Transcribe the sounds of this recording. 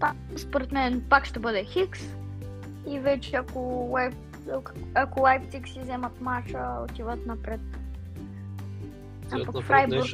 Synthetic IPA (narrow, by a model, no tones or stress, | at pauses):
paspoɾɛt̪mɛnpakʃt̪ɛbɤd̪ɛxiks | ivɛt͡ʃɛɐkʊlˠaj | ɐkʊlˠajpt̪iksizɛmət̪maʃəo̰t̪ivət̪nɐpɾɛt̪ | apafɾajbuɾ